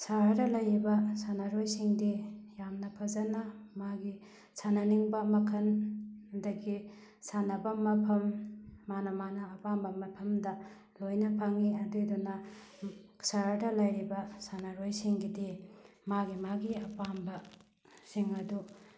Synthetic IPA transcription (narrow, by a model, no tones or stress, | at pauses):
saɾadɐlɐjɾibɐsanaɾojsiŋdijamnɐpʰɐzɐnɐmaɡi | sʰanɐniŋbɐmɐkʰɐndɐɡi | sanɐbɐmɐpʰɐmːanɐmanɐːpambɐmɐpʰɐmdɐ | lojnɐpʰaŋiɐdudunɐ | ksaɾadɐlɐjɾibɐsanaɾojsiŋɡidimaɡimaɡiɐpambɐ | siŋɐdu